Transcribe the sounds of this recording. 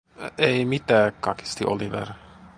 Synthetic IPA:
eimit̪æːkkɑki̥st̪iʔo̰liʋḛr

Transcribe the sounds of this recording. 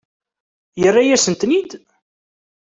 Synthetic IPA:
jərːajæsənt̪nid̪

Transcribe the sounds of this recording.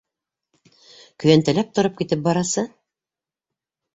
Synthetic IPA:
kɵ̆jænt̪ɘ̆læp̚t̪ŏɾɤp̚kit̪ɘp̚bɑɾɑsɤ

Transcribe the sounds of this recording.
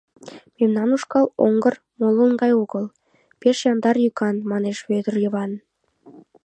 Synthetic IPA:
memnɑnuʃkɑlo̰ŋɡər | molənɡɑjoɣəl | peʃjɑnd̪ɑrjykɑnmɑneʃβød̪ərjə̆βɑn

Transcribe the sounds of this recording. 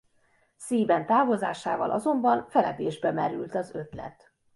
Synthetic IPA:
siːbɛnt̪aːvozaːʃaːvɒ̰lʔɒ̰zo̞mbɒnfɛlɛd̪eːʒbɛmɛɾy̰lt̪ɒzø̞t̪lɛ̰t̪

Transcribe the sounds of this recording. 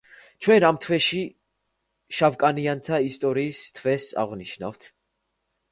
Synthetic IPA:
t͡ʃʰwɛnamt̪ʰwɛʃi | ʃavkʼaniant̪ʰaist̪ʼɔɾiːst̪ʰwɛsa̰ʁniʃna̰vt̪ʰ

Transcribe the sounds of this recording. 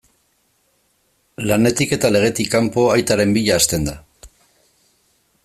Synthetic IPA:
lane̞t̪ike̞t̪ale̞ɣ̞e̞t̪ikːampo̞ajt̪aɾe̞mbiʎaːst̪e̞nd̪a

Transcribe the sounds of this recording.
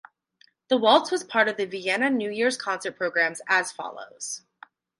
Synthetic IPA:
ðəwɔlˠtwʌz̥pʰɑɹɾʌvðɨviɛnɨnʉjɪɹz̥kʰɑ̃nsə˞t̚pʰɹ̥oʊɡɹæ̃mzɨz̥fɑ̰lˠo̰ʊz̥

